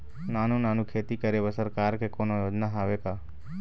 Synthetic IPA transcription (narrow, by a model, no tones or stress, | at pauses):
naːnũnaːnũkʰeːt̪ikəɾeʋəsəɾkaːɾkekoːnojoːd͡ʒnaɦaʋekaː